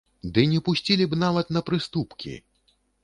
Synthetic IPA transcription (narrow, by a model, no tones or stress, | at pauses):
d̪ɨnʲɛpusʲt͡sʲilʲibnavɐt̪nɐpɾɨst̪upkʲḭ